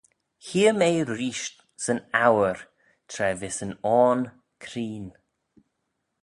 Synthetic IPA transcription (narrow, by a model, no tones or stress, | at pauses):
hiːəmeːɾiːʃt | sənawəɹ | t̪ʰɾɛvɪsənɔːn | kʰɾiːn